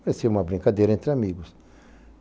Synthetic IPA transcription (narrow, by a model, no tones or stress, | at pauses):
paɾesiũmɐbɾĩŋkad̪ejɾɐẽnt̪ɾɪamiɡʊs